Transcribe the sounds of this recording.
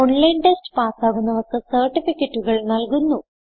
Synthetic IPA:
oɳlɐjnʈesʈpaːsaːɣunːɐʋɐkːɨsɐrʈifikʲːeʈːuɣɐɭnɐlkunːu

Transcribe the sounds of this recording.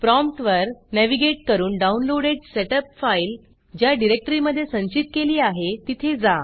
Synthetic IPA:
pɾɔmpʈʋəɾnæʋiɡeʈ̚kəɾuːnɖaunloɽeɖseʈəpfail | d͡ʑjaɖiɾek̚ʈəɾiməd̪ʱːjesə̃ɲt͡ɕit̪̚keliːaɦet̪it̪ʰed͡za

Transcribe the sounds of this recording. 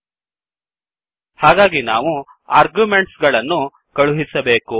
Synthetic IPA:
haːɡaːɡina̰ːʋu | aːɾɡjumeɳʈsɡɐɭɐnːu | kɐɭuɦisɐbe̞ːku

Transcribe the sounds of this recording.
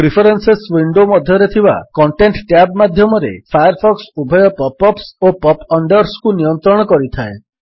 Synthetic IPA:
pɾipʰɔɾenseswiɳɖomɔd̪ʱjɔɾet̪ʰiba̰kɔɳʈeɳʈʈjabmad̪ʱjɔmɔɾḛpʰajɔɾpʰɔksubʱɔjɔpɔpːɔpsopɔpɔɳɖɔɾskunijɔnt̪ɾɔɽ̃ɔkɔɾit̪ʰae

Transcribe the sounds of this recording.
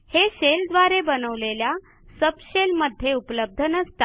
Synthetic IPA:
heɕeld̪ʋaɾebənəʋlelja | səbɕelməd̪ʱːjeupləb̚d̪ʱənəst̪a

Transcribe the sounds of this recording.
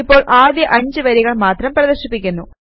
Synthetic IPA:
ipːo̞ːɭʔaːd̪jɐʔɐɲd͡ʑɨʋɐɾiɣɐɭmaːt̪rɐmprɐðɐɕipːikʲːunːu

